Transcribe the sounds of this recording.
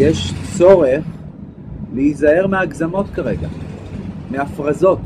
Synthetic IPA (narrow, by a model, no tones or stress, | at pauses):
jeʃt͡so̞ʁeχ | leizae̞ʁmeaɡzamo̞t̪kaʁe̞ɡa̰ | meafʁazo̞t